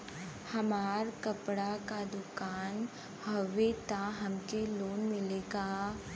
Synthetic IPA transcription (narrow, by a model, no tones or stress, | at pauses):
hɐmaːɾkɐpɽakad̪ʊkaːn | hɐʋːet̪aɦɐmkeloːnmɪleːɡaː